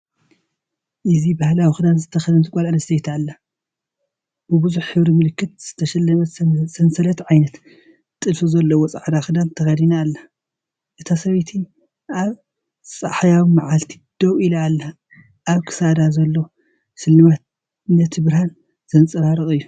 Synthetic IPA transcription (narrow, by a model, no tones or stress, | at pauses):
ʔɨzibahlawixɨd̪anzɨt̪ʰɐxɐd̪ɐnt̪ʰɨkʼɐlalɐsejt̪ʰalːa | bɨbɨzuħħɨβɾimɨlɨkːɨt̪̚z̥ɨt̪ʰɐʃɐlːɐmɐsɐnsɐlɐt̪ʕajnɐt̪ | t̪ʼːɨlfizɐlːɐwɔt͡sʼa̰ʕd̪axɨd̪ant̪ʰɐxɐd̪inaːlːa | ʔɨt̪ʰasɐβet̪ʰi | ʔaβ | t͡sʼa̰ħjawimaʕalt̪ʰi̥d̪̥ɐwilalːa | ʔaβkʰɨ̥sad̪azɐlːowo | ʃɨlːɨmat̪̚ | ɨnɐt̪ʰɨβɾhan | z̥ɐnt͡sʼɐɾaɾɨχʼɨjːu